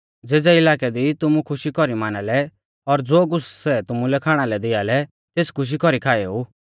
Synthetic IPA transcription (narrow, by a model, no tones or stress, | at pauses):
d͡zeːd͡zɛɪlaːkɛd̪it̪ʊmũkʰʊʃikɔɾimaːnalɛ | ɔɾd͡zoːɡʊssɛt̪ʊmũlɛkʰaːɽ̃alɛd̪ɪjalɛ | t̪eːt͡skʰʊʃ̬ikɔɾikʰaːɛuː